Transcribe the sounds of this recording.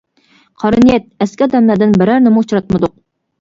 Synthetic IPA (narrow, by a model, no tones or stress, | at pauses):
qʰɑɾɨnijɛt̪̚ɛskʲɑd̪ɛmlæd̪ɪnbɪɾæɾnɪmuut͡ʃʰɾɑt̪mɨd̪ʊq̚